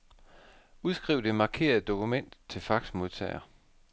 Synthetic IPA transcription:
uð̞ˠsɡ̥ʁiʊ̰d̥e̝mɑ̈kʰe̝̰ːɐð̩ˠd̥o̝kʰumen̰d̥t͡sʰe̝lfɑ̈ɡ̥smo̝ðˠt͡sʰɛ̰ɪɐ

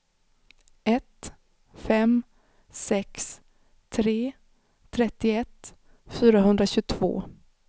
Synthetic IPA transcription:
ʔɛt̪ | fɛm | sɛks | t̪ʰɾeː | ɾɛt̪ːɪɛt̪ː | fyːɾaɦɵnd̪ɾaɕɵt̪ʰvo̰ː

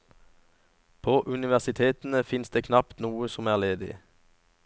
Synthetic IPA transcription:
pʰoːʔʉnɪʋæʁsɪt̪ʰeːt̪n̩əfɪnsd̪eːkʰnɑpt̪nuːəsɔmæːʁleːd̪ɪ̰

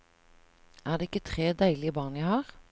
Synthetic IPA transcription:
æːʁd̪eːɪkːət̪ʰʁeːd̪æɪlɪəbɑːnjæɪhɑːʁ

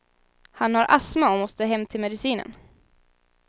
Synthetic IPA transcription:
hanhaɾʔasmaɔmɔst̪əɦɛmːt̪ʰɪlmɛd̪ɪsiːnə̰n

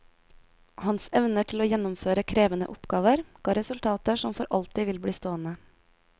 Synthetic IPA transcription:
hɑnsɛʋnəʈʰɪloːjɛnʊmføːɾəkʰɾeːʋənə̰ʔʊpɡɑːʋəɾɡ̥ɑːɾɛsʉlt̪ʰɑːt̪əʃɔmfɔɾʔɑ̰lt̪ɪʋɪlbɽiːst̪oːənə

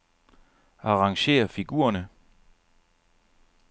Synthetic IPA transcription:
ɑ̈ʁɑ̈ŋɕe̝̰ːɐfiɡ̥ṵːɐnə

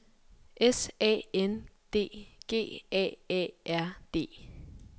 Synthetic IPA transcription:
ʔesɛ̰ːend̥e̝̰ːɡ̥e̝̰ːɛ̰ːɛ̰ːʔæɐ̰d̥e̝̰ː

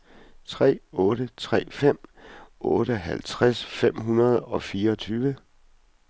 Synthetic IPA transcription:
t͡sʰʁɛ̰ːɔːɾət͡sʰʁɛ̰ːfem̰ɔːɾəɦælt͡sʰʁasfem̰ɦunɐð̞ˠɒ̽fiːɐɒt͡sʰyːʋə

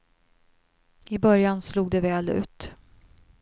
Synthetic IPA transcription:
ɪbœɾjansluːɡ̚d̪ɛvɛːlʉ̟ːt̪

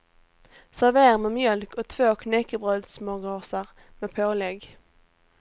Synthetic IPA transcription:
sæʁveːʁmeːmjœlkɔt̪ʰvoːkʰnɛkːəbʁœld̪smoːɡɑːsəʁ | meːpʰoːlɛɡ

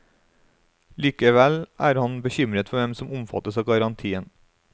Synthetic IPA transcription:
liːkəʋɛlʔæːɾhɑnbəçʏmɾət̪fɔʋɛmsɔmʊmfɑ̰t̪əsɑːɡɑɾɑnt̪ʰiːən

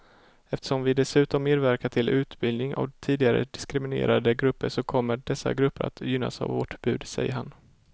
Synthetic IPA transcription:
ɛft̪ə̥ʂɔmvɪd̪ɛsʉ̟ːt̪ɔmːeːd̪væɾkaʈʰɪlʔʉ̟ːt̪bɪlnɪŋa̰vt̪ʰiːd̪ɪɡaɾə̰d̪ɪskɾɪmɪnḛːɾad̪əɡɾɵpːəʂɔkʰɔmːəɖɛsːa̰ɡɾɵpːəɾa̰t̪jʏnːa̰sa̰vvɔʈbʉ̟ːd̪sɛ̰jːəɾɦan

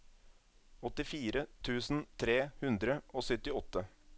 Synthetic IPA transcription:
ɔt̪ɪfiːɾət̪ʰʉːsn̩t̪ʰɾeːhʉnd̪ɾəʔoːsœt̪ɪɔt̪ːə

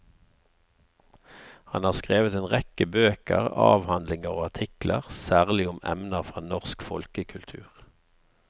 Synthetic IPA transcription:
hɑnhɑːskʁeːʋət̪eːnʁɛkəbøːkə̰ʁɑ̰ːʋhɑnd̪lɪŋəʁoːɑt̪ʰɪklʔə̰ʁsæːʁlɪʊmɛ̰mnəfʁɑːnɔʁskfɔ̰lkəkʰʉlt̪ʰʉ̰ːʁ

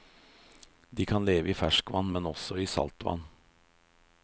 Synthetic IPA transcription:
d̪iːkʰɑnleːʋəiːfæʂkʋɑnːmɛnɔsɔiːsɑ̰lt̪ʋɑ̰n

